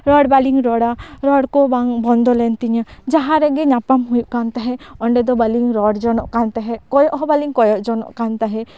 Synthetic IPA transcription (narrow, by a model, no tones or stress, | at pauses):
ɾɔɽbaliŋɾɔɽaɾɔɽkɔbaŋbɔnd̪ɔlɛnt̪iɲəd͡ʒaɦaɾɛɡɛɲapamɦujuʔkant̪aɦɛɔɳɖɛd̪ɔbaliŋɾɔɽd͡ʒɔnɔʔkant̪aɦɛkɔjɔʔɦɔbaliŋkɔjɔʔd͡ʒɔnɔ̰ʔkant̪aɦɛ